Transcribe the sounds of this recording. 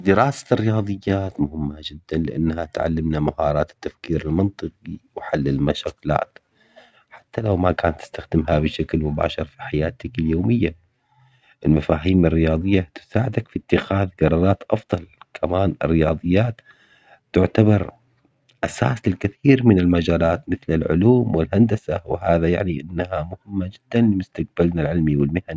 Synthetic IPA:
d̪ɪɾɑːsḁrːɪjɑːðˤɨjːaːt̪mʊhɪmːad͡ʒɪd̪ːanlɪʔa̰nːɦat̪ʕa̰lːɪmnamahɑːɾˤɑːt̪ɪ̥t̪ːafkiːɾɪlmɑnt̪ˤɨqiwħalːɪlmaʃaːkla̰ːt̪ | ħḁt̪ːalawmakaːnt̪ːɪ̥st̪axd̪ɪmɦabɪʃaklmʊba̰ːʃɑɾˤfiħajaːt̪akɪljoːmɪjːa | ʔɪlmafaːɦiːmɪrːɪjɑːðˤɨjːat̪ʊ̥saːʕɪd̪akfit̪ːɪxaːðɡɑɾˤɑɾˤɑːt̪ʔɑfd̪ˤɑlkʰamaːnɪ̰rːɪjɑːðˤɨjːaːt̪ː | ɪʕt̪abɑɾˤ | ʔasaːsɪlkɪθiːɾmɪnɪlmad͡ʒaːlaːt̪mɪθlɪlʕʊ̰luːmwɪlɦand̪asawɪhaːðaja̰ʕniʔɪnːhamʊhɪmːad͡ʒɪd̪̥ːanlɪmʊst̪aq̚balnalʕɪlmiwɪlmɪhan

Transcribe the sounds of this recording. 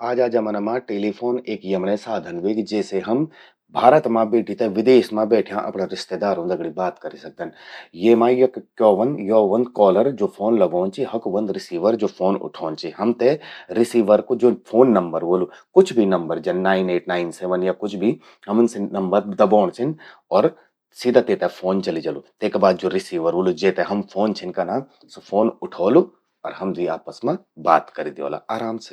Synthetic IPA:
aːd͡ʒaːd͡ʒamɐnɐmãʈeːlipʰoːneːkjemnesaːd̪ʱənʋekid͡ʒɛːseɦɐm | bʱaːɾət̪mãbeːʈʰit̪eʋɪd̪eːʃmãbɛːʈʰijãʔɐ̰pnaɾɪʃt̪eːd̪aːɾũd̪ɐɡɽibaːt̪kɐɾisɐk̚d̪ənjeːmãːjɐkkːjɔːʋɐnjɔːʋə̃nd̪kɔːləɾd͡ʒoːpʰoːnlɐɡoːnt͡ʃʰiɦɐkʋə̃nd̪ɾɪsiːʋəɾd͡ʒoːpʰoːnʊ̰ʈʰoːnt͡ʃʰiɦɐmt̪eɾɪsiːʋəɾkod͡ʒoːfʰoːnːɐ̃mbəɾʋoːlukʊt͡ʃʰbʱinɐmbəɾd͡ʒɐnaːɪneːʈnaːɪnseːʋənjakʊt͡ʃʰbʱi | ɦɐmʊnsenɐmbəɾd̪ɐbɔːɽ̃t͡ʃʰɪn | ɔːɾ | siːd̪ʱat̪eːt̪aɦfʰoːnt͡ʃɐlid͡ʒɐlut̪eːkːbaːd̪̚d͡ʒoːɾɪsiːʋəɾʋoːlud͡ʒeːt̪eɦɐmfʰoːnt͡ʃʰɪnkanaːm | sofʰoːnʊʈʰoːlu | ɔːɾɦɐmd̪ia̰ːpəsmẽ | ba̰ːt̪kɐɾid̪io̰ːla̰aːɾaːmse

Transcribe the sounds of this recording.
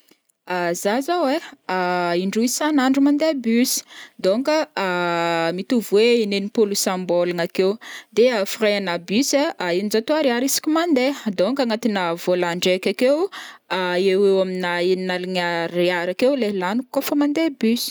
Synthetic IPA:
azazaweaiɳɖ͡ʐuisanaɳɖ͡ʐumand̪ebysi̥d̪oŋkəamit̪uvweinenipulusambolaŋakewd̪eafiraanabysaʔainizat̪oaɾiaɾisi̥kʲimand̪ed̪oŋkaŋat̪inəvolaɳɖ͡ʐekʲakewaewewaminaininaliŋəriaɾakewlelanukːofəmand̪ebysi̥

